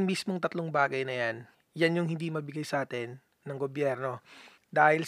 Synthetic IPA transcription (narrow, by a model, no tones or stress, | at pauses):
ŋmismoŋt̪ɐt̪loŋbaːɡɐjnɐjan | janjʊŋhɪ̃nd̪imɐbɪɡajsɐʔaːt̪ɛnː | ɐŋɡobjɛɾno̞ | d̪aːhɪl